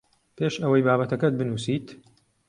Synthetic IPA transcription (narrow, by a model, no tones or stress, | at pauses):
pʰeʃɐwɐjbaːbɐt̪ɐkɐt̪̚bɨnuːsiːt̪